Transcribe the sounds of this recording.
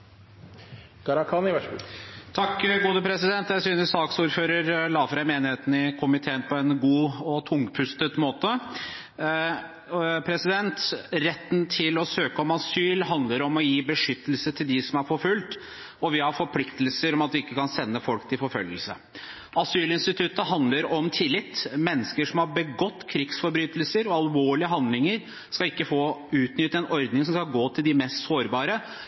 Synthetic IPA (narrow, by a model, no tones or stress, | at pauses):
ɡ̥ɑɾɑkʰɑnɪʋæt̪ʰɑkːɡuːd̪əpʰɾɛsɪd̪ɛnt̪jæɪsyːnəssɑːksuːɾføːɾəɾlɑːfɾɑɪmeːnɪheːt̪nɪkʰʊmɪt̪ʰeːənpʰɔɛnɡuːɔt̪ʰʊŋːpʰʉst̪ət̪moːt̪ə | pʰɾɛsɪd̪ɛnt̪ɾɛt̪ːnt̪ʰɪlɔsøːkəɔmɑsyːlɦɑnd̪ləɾɔmɔjiːbəʂʏt̪ːəlsət̪ʰɪld̪ɪsɔmæɾfɔɾfʉlt̪ | ɔʋɪhɑɾfɔɾpʰlɪkt̪əlsəɾɔmɑt̪ʋɪɪkːəkʰɑnsɛnːəfɔlkt̪ʰɪlfɔɾfœljəlsə̰ | ɑsyːlɪnst̪ɪt̪ʰʉt̪əɦɑnd̪ləɾɔmt̪ʰɪlːɪt̪ːmɛnːəskəʂɔmhɑɾbəɡɔt̪ːkʰɾɪksfɔɾbɾyːt̪əlsəɾɔɑlʋoːɭɪəɦɑnd̪lɪŋəɾ | skɑlɪkːəfoːʉːt̪nʏt̪ːəɛnʔɔɾd̪nɪŋs̬ɔmskɑlɡoːt̪ʰɪld̪ɪmɛst̪soːɾbɑːɾə